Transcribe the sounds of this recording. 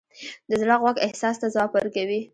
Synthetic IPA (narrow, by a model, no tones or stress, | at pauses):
d̪əzlɑɣwɑkɪhsɑst̪azɑpaɾkawi